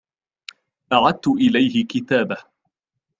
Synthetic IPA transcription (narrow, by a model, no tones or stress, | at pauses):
ʔaʕad̪̚t̪ʊʔɪlajhɪkɪt̪aːbah